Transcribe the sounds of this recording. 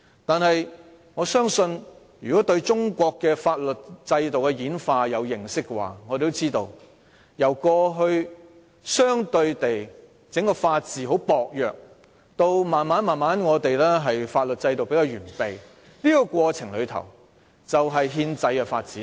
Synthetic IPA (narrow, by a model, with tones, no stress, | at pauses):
t̪aː˨nɦɐ˨j | ŋɔː˨˧sœː˥ŋsɵ˧n | jyː˨˩kɔ˨˥t̪ɵ˧ɥt͡ʃʊ˥ŋkʷɔː˧kːɛː˧faː˧t̚lɵ˨t̚t͡sɐ˧jt̪o˨wkɛ˧jiː˨˥nfaː˧jɐ˨˧wjɪ˨ŋsɪ˥kːɛ˧wa̰ː˨ŋɔː˨˧t̪e˨t̪o˥t͡siː˥t̪o˧w | jɐ˨˩wkɔː˧ɦɵ˧ɥ | sœː˥ŋt̪ɵ˧ɥt̪e˨j | t͡sɪ˨˥ŋkɔː˧faː˧t̚t͡siː˨ɦo˨˥wpɔː˨˧k̚jœː˨k̚ | t̪o˧wmaː˨nmaː˨˥nmaː˨nmaː˨˥nŋɔː˨˧t̪e˨jlɛː˥ɦɐ˨jfaː˧t̚lɵ˨t̚t͡sɐ˧jt̪o˨wpe˧˥jkaː˧wɥyː˨˩npe˨˩j | liː˥kɔ˧kʷɔː˧t͡sʰɪ˨˩ŋlɵ˨˧ɥt̪ʰɐ̰˨˩w | t͡sɐ˨wɦɐ˨jɦiː˧nt͡sɐ˧jkɛ˧faː˧t̚t͡siː˨˦˥